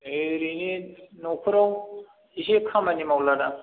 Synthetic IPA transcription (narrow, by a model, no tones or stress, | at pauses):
eɾininopʰuɾaw | isekʰɐmɐnimawlada